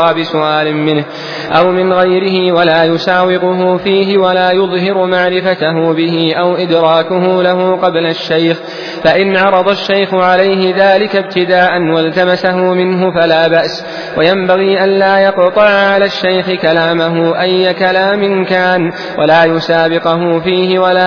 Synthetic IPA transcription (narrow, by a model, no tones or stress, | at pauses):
aːbɪsʊʔaːlɪmmɪnh | ʔa̰wmɪnɣajɾɪɦɪwalaːjʊsaːwɪqʊɦʊfiːɦɪwalaːjʊðˤɦɪɾʊmaʕɾɪfat̪aɦʊbɪɦɪʔawʔɪd̪ɾɑːkʊɦʊlaɦʊːqɑblaʃːajx | faʔɪnʕɑɾˤɑd̪ˤɑʃːajxʊʕalajɦɪðaːlɪkabt̪ɪd̪aːʔanwalt̪amasaɦʊmɪnɦʊfalaːbaʔs | wajambaɣiːʔanlaːjɑqt̪ˤɑʕʕalaːʃːajxɪkalaːmaɦʊʔajːakalaːmɪnkaːn | wʔalaːjʊsaːbɪqʊɦʊfiːhɪwalaː